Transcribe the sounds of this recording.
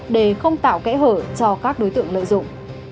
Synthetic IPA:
ɗe˧˩xə˧wŋ͡mt̪a̰ː˧˨wkɛ̰˧˦˥ɦəː˧˩t͡ɕɔ˧kaː˦˥k̚ɗo˨˦jt̪ɨ̰˧˨əŋlə̰ː˧˨jzʊ̰˧˨ŋ͡m

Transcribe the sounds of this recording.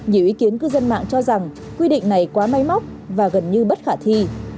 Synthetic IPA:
ɲi˧˩əwʔi˨˦ki˨˦ənkɨ˧zə˧nma̰ː˧˨ŋt͡ɕɔ˧za˨˩ŋ | kwi˧ɗḭ˧˨ŋ̟na˨˩jkwaː˨˦ma˧jma˦˥wk͡p̚ | vaː˨˩ɣə˨˩nɲɨ˧ɓə˦˥t̚xaː˧˩t̪ʰi˧

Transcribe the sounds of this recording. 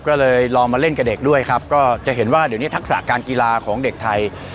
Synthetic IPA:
kɔː˥˩lɤː˧jlɔː˧ŋmaː˧le˥˩nkɛ˧˩de˨˩k̚du˥˩əjkʰa˦˥p̚kɔː˥˩t͡ɕa˨˩ʔɦe˩˦nwaː˥˩di˨˦wniː˦˥˩t̪ʰk̚sa̰˨˩kaː˧nkiː˧laː˧kʰɔː˩˦ŋde˨˩k̚t̪ʰa˧j

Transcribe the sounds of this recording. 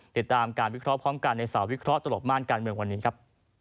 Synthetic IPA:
t̪i˨˩t̪ːaː˧mkaː˧nwi˦˥kʰɾɔ˦˥ʔpʰɾɔː˦˥mka˧nːa˧jsa˩˦wi˦˥kʰɾɔ˦˥t̪a˧lo˨˩p̚maː˥˩nkaː˧nmɯ˧əŋwa˧nːiː˦˥kʰa˦˥p̚

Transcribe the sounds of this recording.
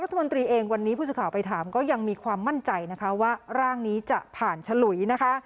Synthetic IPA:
ɾt̪ʰːa˧mo˧nt̪ɾiː˧ʔeː˧ŋwa˧nːiː˦˥pʰu˥˩sɯ˧˩kʰaː˩˦pa˧jt̪ʰaː˩˦mkɔː˥˩ja˧ŋmiː˧kʰwaː˧mːa˥˩nt͡ɕa˧jna˦˥kʰa˦˥waː˥˩ɾaː˥˩ŋniː˦˥t͡ɕa˨˩pʰaː˨˩nt͡ɕʰa˧lu˩˦jna˦˥kʰa˦˥

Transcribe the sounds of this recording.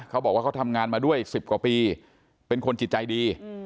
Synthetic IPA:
kʰa˦˥bɔː˨˩k̚wa˥˩˦t̪ʰa˧mŋaː˧nmaː˧du˥˩əjʔi˨˩ksi˨˩p̚kwaː˨˩piː˧ | pe˧nkʰo˧nt͡ɕi˨˩t̪̚t͡ɕa˧jdiː˧

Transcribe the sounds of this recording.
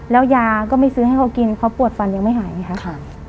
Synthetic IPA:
lɛː˦˥wjaː˧kɔː˥˩ma˥˩jsɯː˧˦˧ha˥˩jkʰa˧˥˩wki˧nkʰa˧˥˩wpu˨˩ət̪̚fa˧˦njaː˧ŋma˥˩ɦaː˩˦ja˧˦kʰa˦˥ʔ

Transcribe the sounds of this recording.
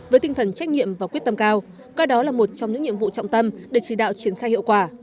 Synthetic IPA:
vəː˨˦jt̪i˧ŋt̪ʰə˨˩nt͡ɕa˦˥k̟̚ɲḭ˧˨əmvaː˨˩kwi˦˥ət̚t̪ə˧mkaː˧w | kaː˧ɗɔ˨˦laː˨˩mo˨˩t̚t͡ɕɔ˧wŋ͡mɲɨ̰˧˥ŋɲi˧˨əmvṵ˧˨t͡ɕɔ̰˧˨wŋ͡mt̪ə˧mɗe˨˧˩t͡ɕi˧˩ɗa̰ː˧˨wt͡ɕi˧˩ənxaː˧jhḭ˧˨əwkwaː˧˩

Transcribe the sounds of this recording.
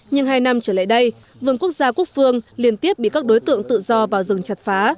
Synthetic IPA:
ɲɨ˧ŋɦaː˧jna˧mt͡ɕəː˧˩la̰ː˧˨jɗə˧j | vɨ˧˩ŋku˦˥ək̚z̥aː˧ku˦˥ək̚fɨ˧əŋli˧ənt̪i˦˥əp̚ɓḭ˧˨kaː˦˥k̚ɗo˨˦jt̪ɨ̰˧˨əŋt̪ɨ̰˧˨zɔ˧vaː˨˩wzɨ˨˩ŋt͡ɕa˨˩t̚faː˨˦

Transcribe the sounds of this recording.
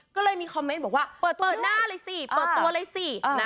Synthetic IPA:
kɔː˥˩lɤː˧jmiː˧kʰɔ˧mːe˧˦˥nbɔː˨˩k̚waː˥˩pɤː˨˩t̪pɤː˨˧˩t̪̚naː˥˩lɤː˧jsi˨˩pəː˨˩t̪̚ːu˧ɐlɤː˧jsi˨˩na˦˥

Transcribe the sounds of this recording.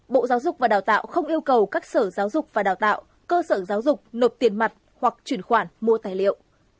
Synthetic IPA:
ɓo̰˧˨zaː˨˦wzʊ˨˩k͡p̚vaː˨˩ɗaː˨˩wt̪a̰ː˧˨wxə˧wŋ͡mʔi˧əwkə˨˩wkaː˦˥k̚səː˧˩zaː˨˦wzʊ˨˩k͡p̚vaː˨˩ɗaː˨˩wt̪a̰ː˧˨w | kəː˧səː˧˩zaː˨˦wzʊ˨˩k͡p̚no˨˩t̪i˨˩ənma˨˩t̚hwa˨˩k̚t͡ɕwi˧˩ənxwaː˧˩nmu˧ət̪aː˨˩jlḭ˧˨ə˨wʔ

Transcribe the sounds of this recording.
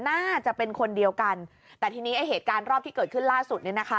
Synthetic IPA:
naː˥˩t͡ɕa˨˩pe˧nkʰo˧ndi˧əwka˧n | t̪ɛː˨˩t̪ʰiː˧niː˦˥ʔa˧jɦeː˨˩t̪̚kaː˧nɾɔː˥˩p̚t̪ʰiː˥˩ɤː˨˩t̪̚kʰɯ˥˩nlaː˥˩su˨˩ni˥˩na˦˥kʰa˦˥

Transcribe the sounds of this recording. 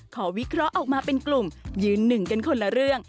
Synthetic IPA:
kʰɔː˩˦wi˦˥kʰɾɔ˦˥ʔɔː˨˩k̚maː˧pe˧nklu˨˩mjɯː˧nːɯ˨˩ŋka˧nkʰo˧nla˧ɾɯ˥˩əŋ

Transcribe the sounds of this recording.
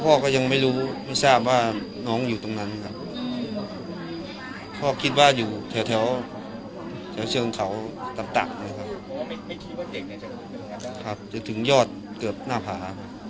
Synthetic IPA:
pʰɔː˧˩kɔː˥˩ja˧ŋma˥˩jɾuː˦˥ma˥˩jsaː˥˩p̚waː˧˥˩nɔː˦˥ŋjuː˨˩t̪o˧˩ŋna˦˥nkʰa˧˩p̚ | pʰɔː˧˩kʰi˧˥t̪̚waː˧˥˩juː˨˩t̪ʰɛː˨˩˦wt̪ʰɛ˩˦˥w | t̪ʰɛː˩˦wt͡ɕʰɤː˧ŋkʰa˩˦wt̪a˨˩ŋt̪a̰ː˨˩ŋa˧˩˨kʰa˦˧p̚ | kʰa˧˥p̚t͡ɕo˨˦nt̪ʰɯ˩˦ŋjɔː˥˩t̪̚ | kɯː˨˩əp̚naː˥˩pʰaː˩˦kʰa˧˥p̚

